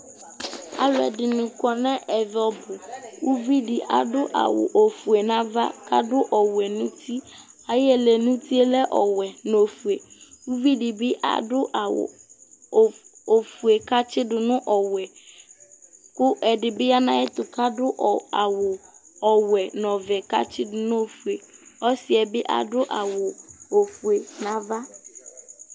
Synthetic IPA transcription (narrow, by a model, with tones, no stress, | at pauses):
a̰˨lʊ˨ɛ̰˨dɪ˨nʊ̃˨kɔ˨nɛ̃˦ʔɛ˨vɔ˨bʊ˨wu˦vi˦di˨ʔa̰˨dʊ˦ʔa̰˨wʊ̰˨ʔo˨fu˨e˨nã˦va˦kʰa˦dʊ˦ʔɔ˨wɛ˨nũ˦tʰi˦ | a˨jɪ˦ɛ˨lɛ˨nũ˦ti˦e˦lɛ˦ʔɔ̰˨wɛ˨no˨fu˨e˨wu˦vi˦dɪ˨bɪ˦ʔa̰˨dʊ˦ʔa˨w̰ | o˨fu˨e˨ka˦t͡ʃɪ˦dʊ˨nʊ̃˦ʔɔ˨wɛ˨ | kʊ˦ʔɛ˨dɪ˨bɪ˦a˦nã˦ɪ˦t̪ʊ˨ka˦dʊ˦ʔa˨wʊ˨ɔ˨wɛ˨nɔ̃˨vɛ˨ka˦t͡ʃɪ˦dʊ˨nʊ̃˦o˨fu˨e˨ɔ˦sɪ˦ɛ˨bɪ˦ʔa̰˨dʊ˦ʔa̰˨wʊ˨o˨fu˨e˨nã˨va˦